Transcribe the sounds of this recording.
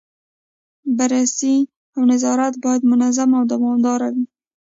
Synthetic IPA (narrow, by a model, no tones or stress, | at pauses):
baɾasi | awnazɑɾat̪bɑjad̪mʊnazamawd̪awɑmd̪ɑɾawi